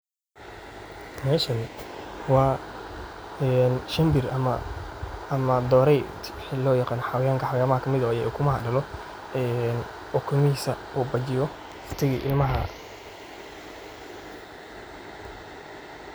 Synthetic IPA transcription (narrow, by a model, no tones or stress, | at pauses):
mɛːʃɐnwɑː | ɛːnʃɐmbɪrɐmɐ | ɐmɐd̪ɔːɾɛjt̪ | ɪlɔːjɑqɑːnɔħɑwjaːŋkʰɐħawjaːmɐhɐkʰɐmɪðɐjɛɛkʰʊmɐɦɐ̰ɖɐlɔ | ɛːn | ɔkʰʊlmɪhiːsɐ | uːbɐt͡ʃɪjɔ | rt̪ʰɪɣiːʔɪlmɐɦɐ̰